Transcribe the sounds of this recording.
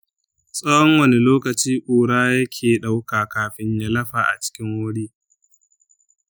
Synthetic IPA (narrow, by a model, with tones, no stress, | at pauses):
sʼɐ˦jɔ˦ŋwɐ˨ne˨loː˦kɐ˨t͡ʃiː˦kʼoː˨ɽaː˦jɐ˦kʲʰeː˨ɗa˦wkaː˨kaː˨ɸɪ˦ɲjaː˦lɐ˦ɸaː˨ʔa̰˨t͡ʃɪ̥˦kʲɪ˦ŋwʊ˦ɽiː˦